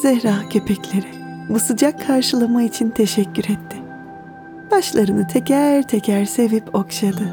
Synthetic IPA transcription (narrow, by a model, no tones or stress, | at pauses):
z̥ɛhɾaːcʰe̞pʰɛclʲe̞ɾɪbusɯd͡ʒakʰːaɾʃɯlˠamait͡ʃʰint̪ʰe̞ʃɛcʲːyɾɛt̪ʰːɪ | b̥aʃlˠaɾɯnɯt̪ʰecʰæɾt̪ʰecʰæɾse̞vipʰo̞kʃad̪ɯ